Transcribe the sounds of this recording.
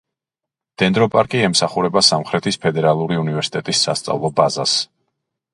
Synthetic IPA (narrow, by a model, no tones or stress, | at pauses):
d̪̥ɛnd̪ɾɔpʼaɾkʼiɛmsaχuɾɛbasamχɾɛt̪ʰispʰɛd̪ɛɾalˠuɾiunivɛɾsi̥t̪ʼɛt̪ʼisːa̰st̪sʼa̰vlˠɔbaza̰s